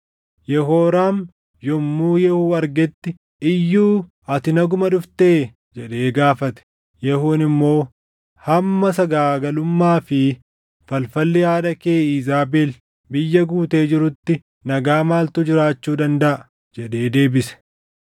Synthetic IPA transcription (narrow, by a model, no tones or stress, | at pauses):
jɛɦoːɾaːn | jɔmːuːjɛhuːɐɾɡɛt̪ːɪ | ɪjːuː | ɐt̪ɪnɐɡʊmɐᶑʊft̪e̞ː | d͡ʒɛᶑe̞ːɡaːfɐt̪ɛ̥ | jɛhuːnɪmːo̞ː | hɐmːɐsɐɡaːɡɐlʊmːaːfɪ | fɐlfɐlːɪjaːd̪ɐke̞ːiːzaːbeːl | bɪjːɐɡuːt̪e̞ːd͡ʒɪɾʊt̪ːɪ | nɐɡaːmaːlt̪ʊd͡ʒɪɾaːt͡ʃːuːd̪ɐnd̪ɐʔɐ | d͡ʒɛᶑe̞ːd̪e̞ːbɪsɛ̥